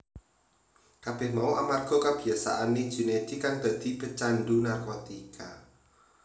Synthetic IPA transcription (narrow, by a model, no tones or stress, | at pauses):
kab̥ɛhmauʔamarɡ̥ɔ̤kab̥i̤asa̰ʔani̥d͡ʒ̥ṳned̪̥ikaŋd̪̥a̤d̪̥i̤b̥ət͡ʃandunarkot̪ikʰa